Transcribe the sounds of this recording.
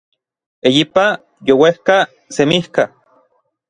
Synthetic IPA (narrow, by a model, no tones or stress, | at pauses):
ejipa | jowehka | semihka